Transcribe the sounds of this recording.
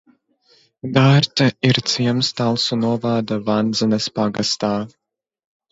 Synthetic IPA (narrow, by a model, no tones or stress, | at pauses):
d̪aːɾt̪aiɾt̪siɛmst̪alˠsunuɔvaːd̪avand̪zɛnɐspaɡast̪aː